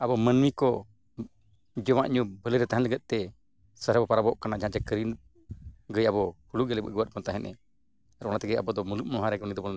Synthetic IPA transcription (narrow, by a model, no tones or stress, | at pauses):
abɔmənmikɔ | d͡ʒɔwaʔɲubələɾɛt̪aɦanləɡɛt̪̚t̪ɛ | səɾɛbɔpaɾabɔʔkanad͡ʒãd͡ʒɛkəɾin | ɡəjabɔhuluɡɛlɛbə̰ɡəwat̪̚bɔnt̪aɦɛnʔɛ̰ | aɾɔnat̪ɛɡəjabɔd̪ɔmuluʔ̚mɔɦaɾɛɡənid̪ɔbɔl